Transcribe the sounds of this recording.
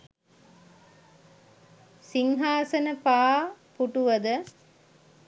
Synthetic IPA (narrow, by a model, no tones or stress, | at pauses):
siŋɦaːsɐnɐpaːpuʈuʋɐd̪ɐ